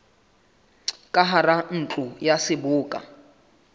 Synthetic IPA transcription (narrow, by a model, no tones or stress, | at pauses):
kʼaɦaran̩t͡ɬʼʊjasɪbʊːkʼa̰